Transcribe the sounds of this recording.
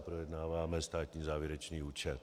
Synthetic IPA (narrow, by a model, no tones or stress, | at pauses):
pɾojɛdnaːvaːmɛst̪aːt̪ɲiːzaːvjɛɾɛt͡ʃniːuːt͡ʃɛl